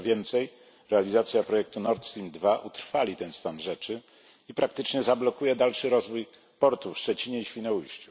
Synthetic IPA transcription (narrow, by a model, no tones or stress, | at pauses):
vʲjɛnt̪sɛj | ɾɛalʲizat̪sʲjapɾɔjɛk̚t̪unɔɾt̪st̪ɾʲimd̪vaʔut̪ɾfalʲit̪ɛnst̪anʐɛt͡ʂɘ | ipɾakt̪ɘt͡ʂɲɛzablɔkujɛd̪alʂɘɾɔzvuj | pɔɾt̪ufʂt͡ʂɛt͡ɕiɲɛiɕfʲinɔujɕt͡ɕu